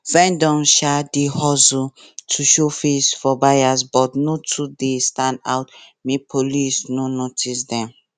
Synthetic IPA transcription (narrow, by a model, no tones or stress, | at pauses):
fɛ̃ndɔ̃mʃadehɔzũ | tʰuʃofesfɔbajasbɔtnotʰudestãnda̰ʊtmipʰolisnonotʰisdɛ̃m